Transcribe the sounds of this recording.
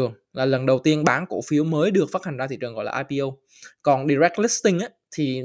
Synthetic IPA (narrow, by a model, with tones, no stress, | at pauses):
əŋ | laː˨˩lə˨˩nɗə˨˩wt̪i˧ənɓaː˨˦nko̰˧˩fi˨˦əwməː˨˦jɗɨ˨˩ək̚fa˦˥ha˨˩ŋ̟zaː˧t̪ḭ˧˨t͡ɕɨ˨˩ŋɣɔ̰˧˨jla̰ː˨ʔaː˧pi˧o˧w | kɔ˨˩nɗi˧zɛ˦˥k̚t̚li˦˥st̪ï˧ŋ̟ʔaː˨˦t̪ʰi˨˩